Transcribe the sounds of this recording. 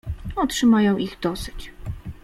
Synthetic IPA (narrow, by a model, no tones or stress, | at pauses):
ɔtʂɘmajɔ̃w̃ʔiɣd̪ɔsɘ̥t͡ɕ